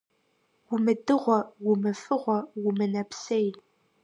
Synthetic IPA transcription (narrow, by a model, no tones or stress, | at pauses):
wʊmɨdɨʁʷɔwʊmɨfɨʁʷɔwʊmɨnɐpsej